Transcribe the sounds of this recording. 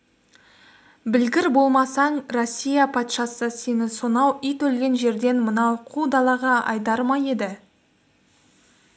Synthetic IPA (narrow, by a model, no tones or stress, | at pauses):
bɪlɡʲɪɾbo̞lˠmɑsɑɴro̞sʲːijapʰɑt̪ʃɑsəse̞nɪsonɑwijt̪ʰɵlɡʲe̞nʒe̞ɾd̪e̞nmənɑwqʰud̪ɑlˠɑʁɑɑ̰jd̪ɑɾmɑje̞d̪ɪ